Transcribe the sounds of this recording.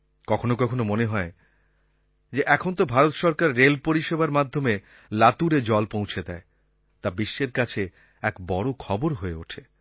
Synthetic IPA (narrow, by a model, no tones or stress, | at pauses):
kɔkʰonokɔkʰonomoneɦɔe | d͡ʑeʔɛkʰont̪̬obʱaɾot̪ʃɔɾkaɾːelpoɾiʃebaɾmad̪ʱːome | lat̪uɾed͡ʑɔlpõw̃t͡ɕʰed̪ɛe | t̪abiʃːeɾkat͡ɕʰe | ɛkbɔɽokʰɔboɾɦoeoʈʰe